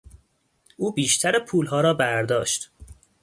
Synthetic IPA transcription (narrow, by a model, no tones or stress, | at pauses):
ʔuːbiːʃt̪ʰæɾepʰuːlɦɒːɾɒːbæɾd̪ɒːʃt̪